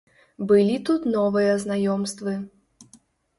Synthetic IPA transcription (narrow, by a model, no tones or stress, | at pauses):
bɨlʲit̪ut̪nɔvɨjɐznajɔmst̪vɨ